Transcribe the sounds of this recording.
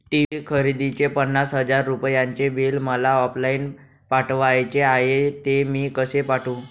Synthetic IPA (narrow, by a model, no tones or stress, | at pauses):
ʈiʋikʰəɾid̪it͡ɕepənːasɦəd͡zaɾːupjãɲt͡ɕebelməlaɔplain | paʈʋajt͡ɕeaɦet̪emiːkəsepaʈʰũː